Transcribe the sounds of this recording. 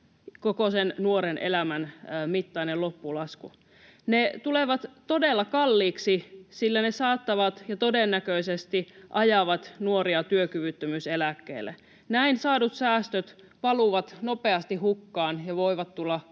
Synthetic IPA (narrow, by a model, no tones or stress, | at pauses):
kokosennuoɾenʔḛlæmænːmit̪ːɑinelopːulɑsku | net̪uleʋɑt̪t̪o̞delːɑkɑlːiːksisilːænesɑːt̪ːɑʋɑt̪jɑt̪o̞denːækøisest̪iʔɑjɑʋɑt̪nuoɾiɑt̪yøkyʋyt̪ːømyselækːḛːlːˑḛ | næinsɑːdut̪sæːst̪øt̪ | pɑluʋɑt̪nopeɑst̪iɦhukːɑːnjɑʋoiʋɑt̪t̪ːulːɑ